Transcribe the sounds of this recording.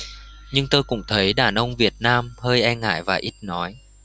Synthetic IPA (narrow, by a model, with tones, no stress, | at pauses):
ɲɨ˧ŋt̪o˧jkʊ̰˧˥ŋ͡mt̪ʰə˨˦jɗaː˨˩nʔə˧wŋ͡mvi˨˩ət̚naː˧mhəː˧jʔɛ˧nŋa̰ː˧˩jvaː˨˩ʔi˦˥t̚nɔ˨˦j